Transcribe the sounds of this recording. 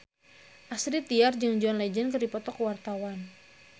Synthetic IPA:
ʔasɾit̪iard͡ʒɨŋd͡ʒuanlɛd͡ʒɛnkɨrdipɔt̪ɔkwart̪awan

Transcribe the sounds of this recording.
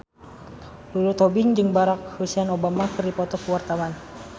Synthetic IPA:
lulut̪ɔbɪŋd͡ʒɨŋbaɾak̚husianobamakɨrdipɔt̪ɔkuwart̪awan

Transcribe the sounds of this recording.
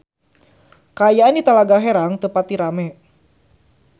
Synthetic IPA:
kaːjaandit̪alaɡaɦɛɾaŋt̪əpat̪̚diɾamɛ

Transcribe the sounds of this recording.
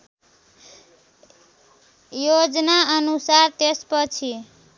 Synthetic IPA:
jod͡znaʌnusaɾt̪espʌt͡ʃʰi

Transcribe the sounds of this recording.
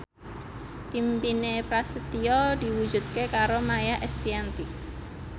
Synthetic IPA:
pimpinepɾasət̪iɔd̪̥i̤wud̥d͡ʒ̥ṳt̪̚kekaɾomajaʔɛst̪iant̪ik

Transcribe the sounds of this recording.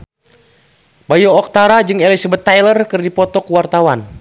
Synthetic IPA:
bajɔːk̚t̪aɾad͡ʒɨŋɛlisabət̪ːajlərkɨrdipɔt̪ɔkuwart̪awan

